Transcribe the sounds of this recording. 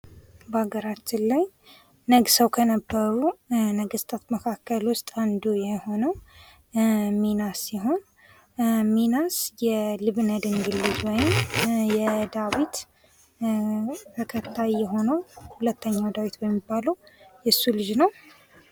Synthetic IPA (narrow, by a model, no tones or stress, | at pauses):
bəaɡəɾat͡ʃːɪnlaj | nəɡsəwkʰənəbːəɾunəɡəst̪ʰat̪məkʰakːəlwʊst̪ʼand̪ujɛho̞nəw | minasjɛɦo̞n | minasjɛlɨβnəd̪ɨŋɡɨlːɨd͡ʒwɔjɪmjɛd̪awit̪ | t̪ʰəkʰət̪ʰːajjɛɦo̞nəwhulət̪ʰːəɲːawd̪awit̪bəmːibːaləwjɛsːulɨd͡ʒnəw